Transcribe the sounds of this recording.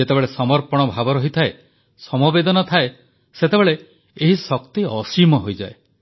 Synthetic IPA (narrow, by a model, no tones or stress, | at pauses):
et̪ebeɭesɔmɔɾpɔɽ̃ɔbʱabɔɾɔɦit̪ʰae | sɔmɔbed̪ɔnɔt̪ʰae | set̪ebeɭe | eɦisɔkt̪iɔsimɔɦojd͡ʒa̰e